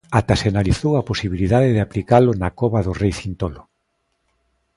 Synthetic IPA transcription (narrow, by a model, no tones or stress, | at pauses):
at̪aseanaliθowaposiβiliðaðɪðɪaplikalʊnakɔβaðʊrejθint̪olʊ